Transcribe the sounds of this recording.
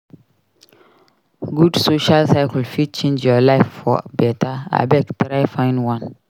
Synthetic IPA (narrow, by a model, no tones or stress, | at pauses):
ɡudsoʃalsaɪkl̩fit͡ʃẽnd͡ʒɔlaɪffɔ̰bɛtaa̰bɛktɾajfãɪ̃nwãn